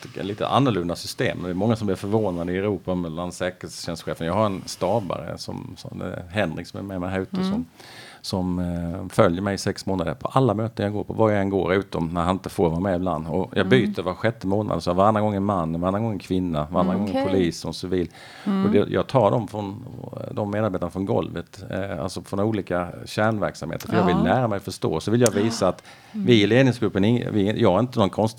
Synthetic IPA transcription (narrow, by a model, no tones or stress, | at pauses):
liːt̪ə̰ʔa̰nːʊɭɵnd̪asʏst̪ḛːmnd̪ɛːmɔŋːasɔmb̪lɪɾfœɾvoːnad̪əɪɛɾuːpamɛllansɛːkəɾlsɕɛnst̪ɧeːfənjɑːɡhaɾɛnst̪ɑːba̰ɾə̰sɔ̰msɔ̰mɛ̰ɦɛnɾɪksɔmɛ̰mɛmɛhaɾʉ̟ːt̪əsɔm | sɔmfœljəɾmɛjsɛksmoːnad̪ə̰ɾpʰɔʔalːamøːt̪ənjɑːɡoːpʰɔvajaɡɛnɡo̰ːɾʉ̟ːt̪ɔmnæɾhanɪnt̪əfoːɾvɑːɾmɛɪbla̰nd̪ɔjʔɑːɡbyːt̪ʰəɾvaɧɛt̪ːəmoːna̰d̪əsvaɾand̪ɾaɡɔŋːənmanːnvaɾand̪aɡɔŋːənkʰvɪnːaaɾanɾaɡɔŋəpʰʊliːsɔsʏviːl | ɔd̪ɛjɑ̰ːɡt̪ʰɑːɖɔmfɾɔnd̪ɔmːeːd̪aɾbeːt̪anafɾɔnɡɔ̰lvət̪a̰lsɔfɾɔnuːliːkaɕæɳvæɾksamhḛːt̪əɾfɔjɑːvɪlnæːɾamɛjɔfœʂt̪o̰ːsɔvɪljɑviːsaːt̪ | vɪɪleːd̪nɪŋsɡɾɵpːənɪŋːvɪjɑːɡhaɾɪnt̪ənɔnkʰɔnst̪